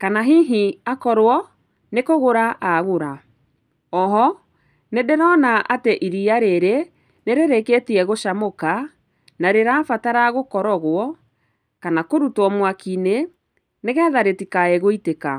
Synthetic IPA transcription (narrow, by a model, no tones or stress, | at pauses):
kanaɦiɦiakɔɾwɔ | nekoɣoɾaʔaɣoɾa | ɔɦɔ | nedeɾɔnaʔateʔiɾiaɾeɾe | neɾeɾeketiɛɣoʃamoka | naɾeɾaːfataɾaɣokɔɾɔɣwɔ | kanakoɾutwɔmwakine | neɣɛːðaɾetikaɛɣoiteka̰